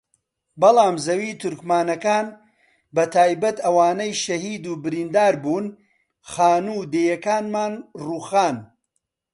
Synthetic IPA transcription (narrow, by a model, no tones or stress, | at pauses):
bɐlˠaːmzɐwiːt̪ʰʊɾkmaːnɐkaːn | bɐt̪ʰaːjbɐt̪ɐwaːnɐjʃɐhiːd̪uːbɪɾiːnd̪aːɾbuːn | χaːnuːd̪eːjɐkaːnmaːnruːxaːn